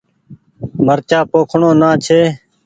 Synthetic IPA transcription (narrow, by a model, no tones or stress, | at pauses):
məɾt͡ʃaːpoːkʰɳõːnãːt͡ʃʰeː